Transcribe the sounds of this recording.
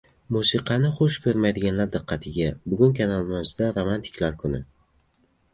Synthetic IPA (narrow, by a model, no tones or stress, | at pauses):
musɪqʰɑnɪχoʃkʰɵɾmajd̪ɪɡʲanlaɾd̪ɨqʰːɑt̪ʰɪɡʲabʊɡʲʊnkʲʰanalˠmazɪd̪aɾomant̪ʰɪ̥kʲʰlaɾkʰʊnɪ̰